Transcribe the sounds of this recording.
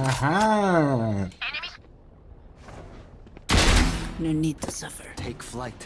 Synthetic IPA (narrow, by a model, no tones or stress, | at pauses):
aɦa | nonid̚tʰəsʌfə˞tʰeɪkflaɪtʰ